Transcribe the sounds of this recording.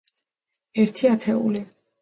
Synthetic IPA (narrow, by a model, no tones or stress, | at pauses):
ɛɾt̪ʰiat̪ʰɛṵli